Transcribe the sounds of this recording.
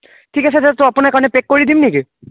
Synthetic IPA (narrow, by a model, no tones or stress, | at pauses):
ʈʰikat͡ʃʰed͡ʒɛt̪oaponakanepekːoɾid̪imniki